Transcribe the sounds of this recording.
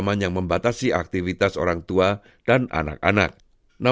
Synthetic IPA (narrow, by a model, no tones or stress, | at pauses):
manjaŋməmbat̪asiʔak̚t̪ifit̪aso̰ɾaŋt̪ua | d̥ana̰na̰k̚a̰na̰k̚ | na